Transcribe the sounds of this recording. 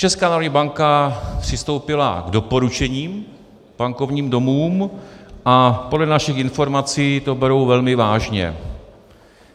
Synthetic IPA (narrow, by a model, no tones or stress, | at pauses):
t͡ʃɛskaːnaːɾodɲiːbaŋkapr̥ɪst̪o̞wpɪla̰ɡdo̞po̞ɾut͡ʃɛɲiːm | b̥aŋko̞vɲiːmdo̞muːmʔapo̞dlɛnaʃɪxɪnfo̞ɾmat͡siːt̪o̞bɛɾo̞wvɛlmɪvaːʒɲɛ̰